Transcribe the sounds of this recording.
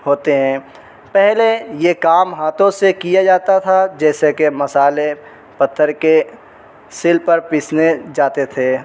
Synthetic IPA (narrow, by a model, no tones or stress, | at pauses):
ɦoːt̪eɦɛ̃ː | pɛɦlejekaːmɦaːt̪ʰõsekijad͡ʒaːt̪at̪ʰad͡ʒɛːsekemɐsaːle | pɐt̪ʰːəɾke | sɪlpɐɾpɪsned͡ʒaːt̪et̪ʰeː